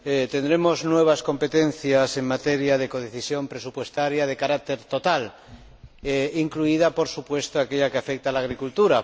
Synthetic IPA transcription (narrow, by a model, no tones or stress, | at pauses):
et̪e̞nd̪ɾe̞mo̞znwe̞β̞askõ̞mpe̞t̪ẽ̞n̟θjase̞ŋmat̪eɾjað̞eko̞ð̞eθisjõ̞mpɾe̞supwe̞st̪aɾjað̞e̞kaɾak̚t̪e̞ɾt̪o̞t̪al | eiŋkluið̞apo̞ɾsupwe̞st̪oakeʎakeafek̚t̪alaɣ̞ɾikult̪uɾa